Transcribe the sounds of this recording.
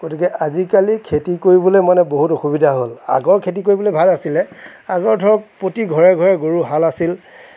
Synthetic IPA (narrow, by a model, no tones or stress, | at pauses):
ɡ̥otikɛʔazikalikʰetikoɹibɔlojmanɛboɦutoxubidʱaɦola̰ɡɔɹkʰet̬ik̬oɹibɔlojbʱalasilɛ | aɡɔɹdʱɔɹɔk̚pɹotiɡʱɔɹɛɡʱɔɹɛɡoɹuɦalasil